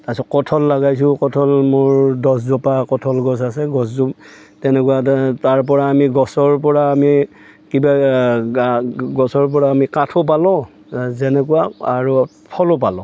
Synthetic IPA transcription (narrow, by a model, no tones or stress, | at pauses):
tasɔkɔtʰɔlːaɡajs̬ʊ̃kɔtʰɔlmʊɹdɔs̬zɔpakɔtʰɔlɡɔs̬asɛɡɔs̬zu | tɛnɛkuwataɹp̬ɔɹaːmiɡɔsɔɹp̬ɔɹaːmi | kiba | ɡɔsɔɹp̬ɔɹaːmikatʰɔp̬alɔ | zɛnɛkuwaaɹu | pʰɔlɔpalɔ̃